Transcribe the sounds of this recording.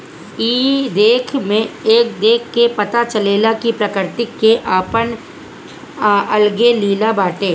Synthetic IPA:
iːd̪eːkʰmẽeːk̚d̪eːkʰːepɐt̪at͡ʃɐleːlakipɾəkəɾt̪ɪkːeʔaːpən | ɐlɡeliːlabaːʈeː

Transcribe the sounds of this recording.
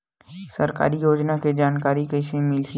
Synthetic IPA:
səɾka̰ːɾijoːd͡ʒnaked͡ʒaːnkaːɾikəʃẽmɪlʃ

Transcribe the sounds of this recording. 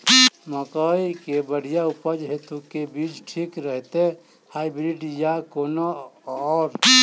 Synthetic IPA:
məkəjkebəɽ̤ijaupəd͡ʒɦet̪ukebid͡ʒʈʰikɾəɦt̪e | haibɾiɖjakonoɔːɾ

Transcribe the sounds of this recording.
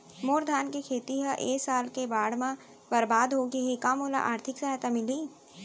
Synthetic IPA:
moːɾd̪ʱaːnkekʰeːt̪iɦəʔeːsaːlkebaːɽ̤mã | bɐɾbaːd̪ɦoːɡeɦekaːmoːla̰ʔa̰ːɾt̪ʰɪksɐɦat̪amɪliː

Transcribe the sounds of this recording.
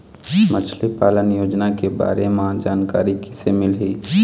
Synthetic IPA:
mət͡ʃʰlepaːlənjoːd͡ʒnakeba̰ːɾemãd͡ʒaːnkaːɾikɪ̥semɪlɦiː

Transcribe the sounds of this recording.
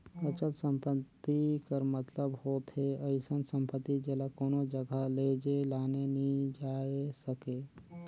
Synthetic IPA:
ət͡ʃəlt̪sə̃mpət̪ːikəɾmət̪ləbhoːt̪ɦeəɪsənsə̃mpət̪ːid͡ʒelakoːnod͡ʒəɡaleːd͡ʒelaːnenĩd͡ʒaːesəkeː

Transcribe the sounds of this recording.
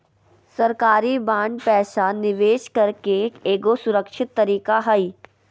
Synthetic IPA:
sɐɾkaːɾibãːɳɖpɛːʃaːnːɪʋeːʃkɐɾkekeːɡosʊɾəkʃɪt̪ːɐɾiːkaɦɐiː

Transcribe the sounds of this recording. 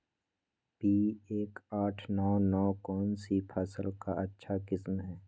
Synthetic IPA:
piːeːkaːʈʰnɔːnɔːkɔːnsipʰɛːsəlkaɐtːʃʰaɡɪsmɦɛː

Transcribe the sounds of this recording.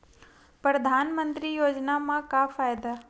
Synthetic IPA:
pɾəd̪ʱaːnmə̃nt̪ɾijoːd͡ʒnamãkafaːjd̪a

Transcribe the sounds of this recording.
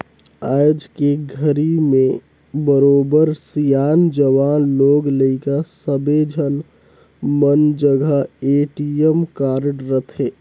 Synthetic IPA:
aːd͡ʒkeɡʱəɾimẽ | bəɾoːbəɾsijaːnd͡ʒəʋaːnloːɡləɪkasəbed͡ʒʱən | mənd͡ʒəɡʱaeːʈiəmkaːɾɖɾət̪ʰeː

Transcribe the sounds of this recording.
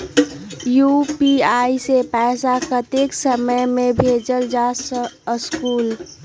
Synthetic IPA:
jupiaːisepɛːsakət̪eksəməjmẽbʱeːd͡ʒəld͡ʒasskuːl

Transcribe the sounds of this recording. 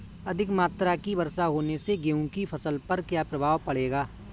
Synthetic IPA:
ɐd̪ʱɪkmaːt̪ɾakibɐɾsaɦoːneseɡeːũkipʰɐsəlpɐɾkjaːpɾɐbʱaːʋpɐɽ̤eːɡaː

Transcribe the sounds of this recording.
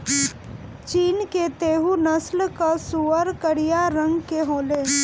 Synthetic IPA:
t͡ʃiːnket̪eːɦunəslkasuːəɾkəɽijaɾə̃ŋɡkeɦoːleː

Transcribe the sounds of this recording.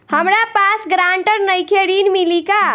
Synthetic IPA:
həmɾapasɡɾaɳʈəɾnəjkʰeɾinmilika

